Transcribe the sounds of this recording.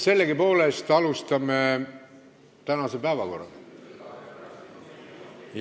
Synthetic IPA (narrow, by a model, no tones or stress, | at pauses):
se̞lːeɡipo̞ːlest̪ɑlust̪ɑme | t̪ænɑsepæevɑko̞̰rːɑ̰ | j